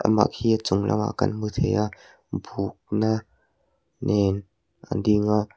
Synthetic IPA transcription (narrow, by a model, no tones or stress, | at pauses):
ʔa̰ma̰ʔkʰiːt͡sʊŋlʔa̰ma̰kɐnmɯt̪ʰejaʔ | buːk̚na | nʔɛn | ʔandiŋaʔ